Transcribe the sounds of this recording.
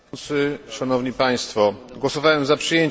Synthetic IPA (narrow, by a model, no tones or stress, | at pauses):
t̪sɘʂanɔvɲipaj̃st̪fɔ | ɡwɔsɔvawɛmzapʂɘjeɲ